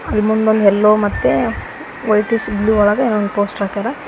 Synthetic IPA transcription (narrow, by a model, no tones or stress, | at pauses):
ɐlːmund̪ond̪ɦɛlːoːmɐt̪ːe | ʋojʈisbluːɔɭɐɡɐeːnʋond̪upoːsʈaːk̪aɾɐ